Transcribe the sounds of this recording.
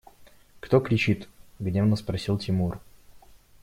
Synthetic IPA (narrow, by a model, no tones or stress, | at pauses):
kt̪okɾʲɪt͡ɕit̪ɡnʲevnəspɾɐsʲilˠtʲɪmur